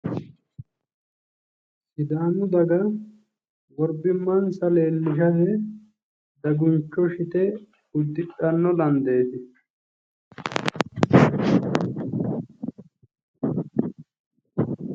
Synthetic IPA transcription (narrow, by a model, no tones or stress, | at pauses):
sɪd̪aːnʊd̪ɐɡɐ | wɔɾbɪmːɐnsɐleːlːɪʃɐhɛ | d̪ɐɡʊnt͡ʃːɔʃɪt̪ɛ | ʊd̪ːɪɗɐnːɔlɐnd̪e̞ːt̪ɪ